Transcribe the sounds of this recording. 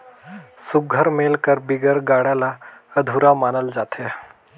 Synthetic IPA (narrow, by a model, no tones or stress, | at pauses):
suɡʱəɾmelkəɾbiɡəɾɡaɽalaəd̪ʱuɾamanəld͡zat̪ʰe